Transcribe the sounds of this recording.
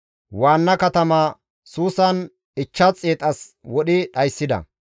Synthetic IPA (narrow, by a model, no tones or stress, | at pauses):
waːnːɐkɐt̪ɐmaː | suːsɐn | ɪt͡ʃːɐt͡sʼːeːt̪ʼɐswɔɗɪɗɐjsːɪd̪ɐ̰